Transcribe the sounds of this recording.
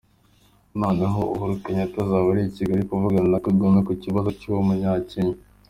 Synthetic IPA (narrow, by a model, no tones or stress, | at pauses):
naːnaɦouɦuɾukaɲatazaβaɾiiciɡaɾikuvuɡaninakuɡomekuciβazocuβomuɲaːceɲi